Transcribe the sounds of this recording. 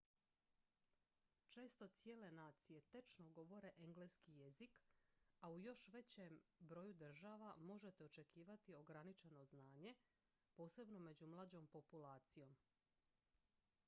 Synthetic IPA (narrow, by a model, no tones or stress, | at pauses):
t͡ʃe̞ːst̪o̞t̪sije̞ːle̞naːt̪sije̞t̪et͡ʃnoɡo̞ʋo̞ɾe̞ʔeŋɡleskije̞zikaujo̞ʃʋe̞t͡ɕembɾo̞jud̪r̩ʒaʋamo̞ʒe̞t̪eot͡ʃe̞kʰiːʋat̪io̞ɡɾanit͡ʃe̞no̞znaːɲe̞ | po̞ːse̞bno̞me̞d͡ʑumlˠad͡ʑo̞mpo̞pulˠaːt̪sijo̞m